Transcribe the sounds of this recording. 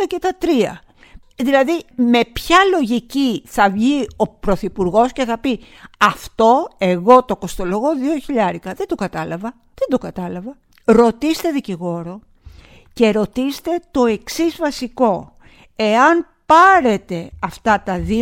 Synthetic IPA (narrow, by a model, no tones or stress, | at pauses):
ɐcet̪ɐt̪ɾiɐ̰ | ðilɐðime̞pçɐlo̞ʝiciθɐvʝio̞pɾo̞θipuɾɣo̞sce̞θɐpi | ɐft̪o̞e̞ɣo̞t̪o̞ko̞st̪o̞lo̞ɣo̞ðioçiʎɐɾikɐðed̪okɐt̪ɐlɐvɐ | ðed̪o̞kɐt̪ɐlɐvɐ | ɾo̞t̪ist̪e̞ðiciɣo̞ɾo̞ | ce̞ɾo̞t̪ist̪e̞t̪o̞e̞ksizvɐsiko̞ | e̞ɐn | pɐɾe̞t̪e̞ɐft̪ɐt̪ɐði